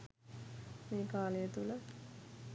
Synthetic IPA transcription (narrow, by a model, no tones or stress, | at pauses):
meːkaːlejət̪ulə